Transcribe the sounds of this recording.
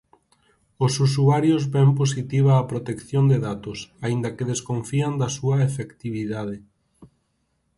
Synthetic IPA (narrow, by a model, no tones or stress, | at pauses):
osus̬uaɾjozβɛmposit̪iβaːpɾot̪ekθjond̪eðat̪ʊsaind̪ɐkɪðeskoɱfiand̪ɐsuɐefekt̪iβ̞iðað̞ɪ